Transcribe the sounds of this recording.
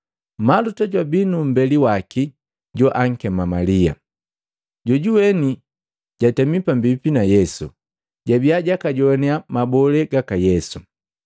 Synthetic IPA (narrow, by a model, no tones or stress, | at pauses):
malutaɟwabinum̩bɛliwaki | ɟɔʔaŋ̩kɛmamalia̰ | ɟɔɟuwɛni | ɟ̥atɛmipambipinajɛsṵ | ɟabiaɟakaɟɔnɛamabɔlɛɡakajɛsu